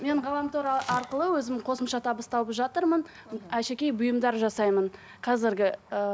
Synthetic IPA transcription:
me̞ɴʁɑlˠɑmt̪ʰoɾɑɑɾqəlˠəwɵzɪmɪqʰo̞səmʃɑt̪ʰɑbəst̪ɑlˠəpʒɑt̪əɾmən | æʃe̞kʲe̞jbʊjəmd̪ɑɾʒɑsɑjmən | qʰɑzɪɾɡʲɪə

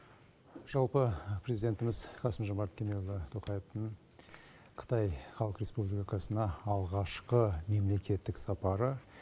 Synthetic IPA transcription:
ʒ̥ɑlˠpəpʰɾezid̪ʲe̞nt̪ɪmɪzqʰɑsəmʒomɑɾt̪kʲʰemelˠːət̪ʰoqʰɑjeft̪əɴ | qʰə̥t̪ɑjχɑlˠəqɾʲe̞spubliikɑsənɑːlˠʁɑʃqəme̞mle̞kʲe̞t̪ːɪksɑpɑɾə

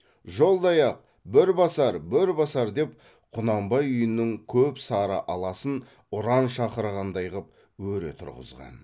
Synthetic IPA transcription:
ʒo̞lˠd̪ɑjɑq̚ | bɪɾbɑsɑɾbɪɾbɑsɑɾd̪e̞p | qʰʊnɑmbɑjʏjɪnːɪŋkʲʰɵpsɑɾə̰ʔɑlˠɑsən | ʊɾɑnʃɑqəɾʁɑnd̪ɑjʁəp̚ | wɵɾḛt̪ʰʊ̰ɾʁə̰zʁɑ̰n

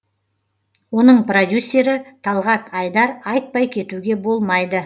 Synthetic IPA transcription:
wo̞nəɴprod̪ʲjusʲːe̞ɾɪt̪ʰɑlˠʁɑt̪ʰɑjd̪ɑɾɑjt̪̚pɑjkʲʰe̞t̪uɡʲe̞bo̞lˠmɑjd̪ə

